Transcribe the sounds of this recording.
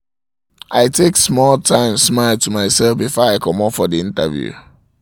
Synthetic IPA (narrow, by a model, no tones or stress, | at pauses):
ʔaɪtʰeksmɔlˠtʰãɪ̃msmaɪlˠtumaɪsɛlˠfbifɔaɪkʰʌ̃mɔpfɔdiɪ̃nta̰vjṵ